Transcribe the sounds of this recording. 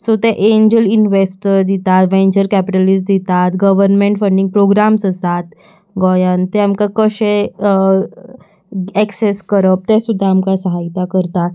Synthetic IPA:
sot̪ɛʔeɲd͡ʑəlinʋesʈəd̪it̪at̪ʋẽɲd͡ʑəɾkæpiʈəlisʈd̪it̪at̪ɡəʋəɾnmẽɳʈfəɳɖiŋɡ̚pɾoɡɾamsəsat̪ | ɡɔjant̪ɛamkakəɕẽ | ɛkseskəɾəp̚t̪ɛsud̪ʱːaːmkasəɦajt̪akəɾt̪a

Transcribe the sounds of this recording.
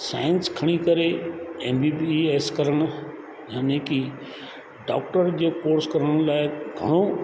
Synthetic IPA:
sa̰ːɪnskʰɐɽ̃ikɐɾeeːmbiːbieːskɐɾəɽ̃ʊ | jaːnẽki | ɖa̰ːk̚ʈəɾd͡ʑeːkoːɾskɐɾəɽ̃laːɪɡʱɐɽ̃o

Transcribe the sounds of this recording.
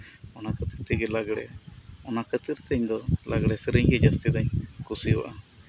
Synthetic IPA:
ɔnakət̪it̪iɡɛlaɡɽɛ̰ɔnakət̪iɾt̪əɲd̪ɔlʔaɡɽɛsəɾiɲɡɛd͡ʒast̪id̪aɲkusiwa̰ʔa

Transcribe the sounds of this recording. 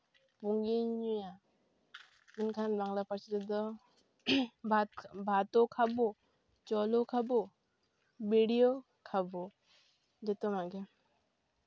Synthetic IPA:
puŋɡiɲuja | inkʰanbaŋlapaɾt͡ʃit̪ɔd̪ɔ | bʱat̪ɔkʰabɔ | t͡ʃɔlɔkʰabɔ | bʱiɽijo | kʰabɔ | d͡ʒɛt̪ɔmaɡɛ

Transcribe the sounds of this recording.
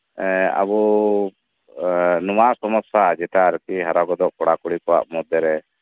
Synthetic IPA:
a̰bɔ | nɔmasɔmɔsad͡ʒɛt̪aɾkiɦaɾaɡɔd̪ɔʔkɔɽakuɽikɔwa̰ʔmɔd̪jɔɾɛ

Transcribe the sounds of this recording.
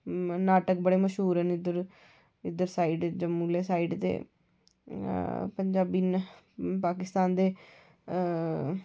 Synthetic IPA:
naːʈəkbəɽeːməʃɦuːɾɛnɪd̪əɾ | ɪd̪əɾsaːiːɖd͡ʒəmuːleːsaːiːɖt̪ḛː | pəɲd͡ʒaːbiːn | paːkɪst̪aːnd̪eː

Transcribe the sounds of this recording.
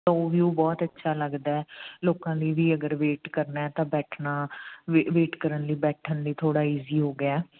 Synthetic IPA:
t̪aoːʋiːoːbɔːt̪ətːʃʰaːləɡd̪aːɛːloːkãːliːʋiːəɡəɾʋeːʈkəɾnaːɛːt̪ãːbɛːʈʰnaːʋeːʈkəɾənliːbɛːʈʰənliːt̪ʰoːɽaːiːziːɦoːɡɪjaɛː

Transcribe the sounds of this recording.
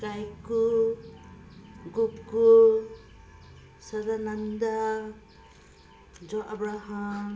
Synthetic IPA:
kajku | ɡuku | saɾanand̪a | d͡ʒɔʔabɾaɦa

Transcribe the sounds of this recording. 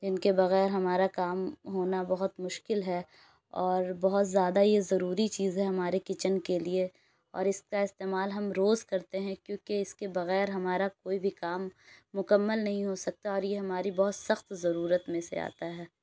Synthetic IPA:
d͡ʒɪnkebɐɣɛːɾɦɐmaːɾakaːmɦoːnabɐɦʊt̪mʊʃkɪlɦɛ | ɔːɾbɐɦʊt̪zjaːd̪ajezɐɾuːɾit͡ʃiːzɦɛɦɐmaːɾekɪt͡ʃənkelie | ɔ̰ːɾɪskaɪst̪eːmaːlɦɐmɾoːzkɐɾt̪eɦɛ̃kjõːkeɪskebɐɣɛːɾɦɐmaːɾakoːibʱikaːmːʊkəmːəlnɐɦĩɦosɐk̚t̪aɔːɾjeɦɐmaːɾibɐɦʊt̪sɐxt̪zɐɾuːɾət̪mẽsḛa̰ːt̪aɦɛː

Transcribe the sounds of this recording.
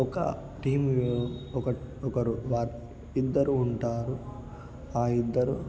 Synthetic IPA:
ɔkɐ̰ | ʈiːmɔkɐɔkɐɾuʋaːɾ | id̪ːɐɾuːɳʈaːɾu | aːid̪ːɐɾu

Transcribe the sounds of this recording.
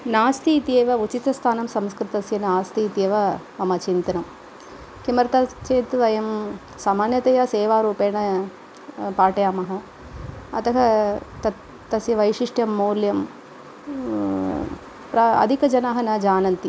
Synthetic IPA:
naːst̪iːt̪jeːʋɐut͡ʃit̪ɐst̪ʰaːnɐmsɐmskɾɪt̪ɐsjɐnaːst̪iːt̪eːʋɐ | ɐmɐt͡ʃint̪ɐnɐm | kimɐɾɐt̪ɐt͡ʃeːt̪ʋɐjɐm | saːmaːnjɐt̪ɐjɐseːʋaːɾuːpeːɳɐ | paːʈɐjaːmɐɦɐ | ɐ̰t̪ɐɦɐt̪ɐt̪ː | ɐsjɐʋɐjʃiʂʈjɐmːoːljɐm | pɾɐɐ̰d̪ʱikɐd͡ʒɐnaɦɐnɐd͡ʒaːnɐnt̪i

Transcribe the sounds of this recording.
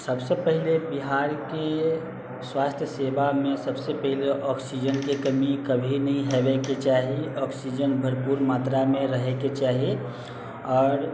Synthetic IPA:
səbsepəɦilebiɦaːɾke | swaːst̪ʰjəsebamẽsəbsepəɦileʔɔksid͡ʒənkekəmikəbʱinəɦĩɦebeket͡ʃaːɦiɔksid͡ʒənbʱəɾpuɾmaːt̪ɾamẽɾəɦeket͡ʃaːɦi | ɔːɾ

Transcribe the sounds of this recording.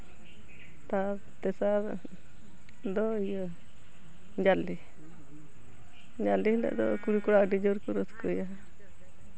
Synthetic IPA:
t̪a | t̪ɛsaɾ | d̪ɔijɔ | ɲd͡ʒali | ɲd͡ʒalːihlɛ̰ʔd̪ɔ̰kuɽikuɽaʔɖid͡ʒɔɾkuɾɔt̪ʰkɔja

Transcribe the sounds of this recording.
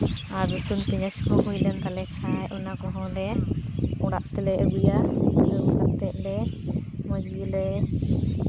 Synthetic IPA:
aɾdusunpiɲəskɔɦujlɛnt̪alɛkʰajʔunakɔɦɔ̃dɛ | ɔɽa̰ʔt̪ɛlɛʔəbijaəkaʔt̪ɛʔ̪̚ˀdɛməd͡ʒilɛ

